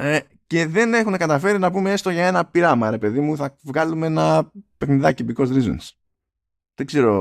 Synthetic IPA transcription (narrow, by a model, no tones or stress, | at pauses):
e | ce̞ðe̞ne̞xune̞kɐt̪ɐfe̞ɾinɐpumeest̪o̞ʝɐe̞nɐpiɾɐmɐɾe̞pe̞ðimuθɐvɣɐlumeenɐpe̞xniðɐcibiko̞zɾizṵns | ðe̞ɡze̞ɾo̞